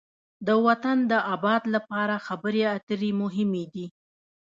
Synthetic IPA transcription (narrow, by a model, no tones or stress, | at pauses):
d̪əwat̪and̪əʔabɑd̪lapɑɾaxabəɾeat̪əɾemʊɦɪmed̪i